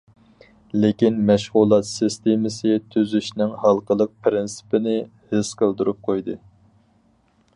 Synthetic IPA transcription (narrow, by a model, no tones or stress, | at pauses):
lɪkʲinmɛʃʁulˠɑt̪sɨst̪emɪsɨt̪ʰyzyʃnɪŋhɑlˠqəlˠəq̚pʰɾɪnsɪ̥pɪnɪ | hɪsqʰəlˠd̪uɾup̚qʰojd̪ɨ